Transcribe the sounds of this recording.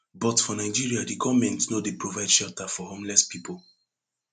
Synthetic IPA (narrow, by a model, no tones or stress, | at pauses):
bɔtfɔnaɪd͡ʒiɹiadikɔvmɛ̃ntnodepɹovaɪd̥ʃɛltafɔhõmlɛspipol